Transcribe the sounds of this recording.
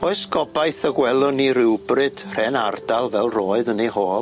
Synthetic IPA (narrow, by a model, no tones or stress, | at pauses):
ɔɨsɡɔbajθəɡwɛlˠʊniɾɪwbrɨd̥r̥ɛnardalˠvɛlˠroːɨðənehoːlˠ